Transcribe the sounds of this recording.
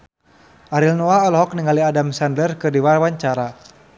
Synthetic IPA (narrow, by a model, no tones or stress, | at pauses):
ʔaɾilnɔaɔlɔɦɔkniŋaliadamsandərkɨrdiwarwaɲt͡ʃaɾa